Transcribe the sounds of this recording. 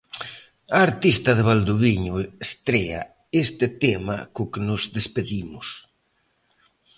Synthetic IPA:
aːɾt̪ist̪ɐðeβald̪uβiɲʊest̪ɾea̰ | est̪ɪt̪ema̰kʊkenʊzðespeðimʊs

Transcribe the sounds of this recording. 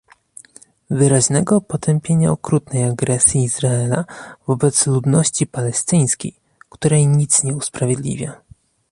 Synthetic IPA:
vɘɾaʑnɛɡɔpɔt̪ʰɛmpʲjeɲaɔkɾut̪nɛjaɡɾɛsʲjiːzɾaɛlavɔbɛt̪slud̪nɔɕt͡ɕipalɛst̪ɘj̃skʲej | kt̪uɾɛjɲit̪sɲɛuspɾavʲjed̪lʲḭvʲja

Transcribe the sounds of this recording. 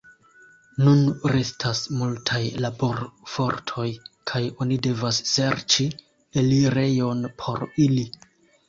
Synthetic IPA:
nunɾe̞stʰasmultʰajlabo̞ɾfo̞ɾtʰo̞jkʰajo̞nide̞vasse̞ɾt͡ʃi | eliɾe̞jo̞npʰo̞ɾili

